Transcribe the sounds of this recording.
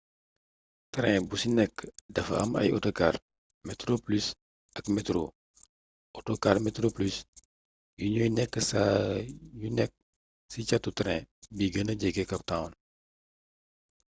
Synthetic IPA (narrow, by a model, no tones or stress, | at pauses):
tɾɛ̃businɛkːədɐfɐ̰ɐ̰mɐ̰jɔtɔkaːr | mɛtɾoplys | ɐkmɛtɾo | ʔɔtokarmɛtɾoplys | juɲɔjnɛkːəsa | junɛk̚ | sicɐtːutɾɛ̃biɡənɐɟɛɡɛkɐp̚tãwn